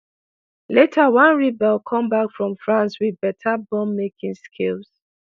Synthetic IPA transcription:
letʰawãnɹibɛlˠkʰɔ̃mbakfɹɔ̃mfɹãnswiðbɛtʰabɔ̃mːekĩŋskʰils

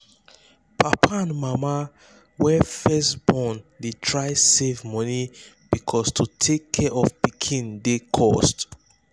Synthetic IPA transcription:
pʰapʰaãnmama | wɛfɛstb̥ɔ̃ndetʰɹajsevmɔni | b̥ikʰɔstʰutʰekʰːɛʔɔfpikʰĩndekʰɔst

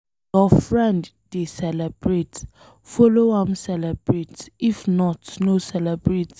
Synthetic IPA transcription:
jɔfɹɛ̃nd | desɛlɛbɹet | fɔloãmsɛlɛbɹetifnɔtnosɛlɛbɹet

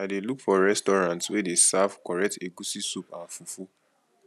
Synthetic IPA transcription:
adelukfɔɹɛstɔɹãntswɛdesavkɔɹɛk̚teɡusisupãnfufu

